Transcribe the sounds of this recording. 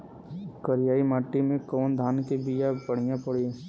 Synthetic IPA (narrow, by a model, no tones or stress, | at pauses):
kɐɾijaːimaːʈːimẽkɔːnd̪ʱaːnkebijapɐɽ̤ijãpɐɽ̤i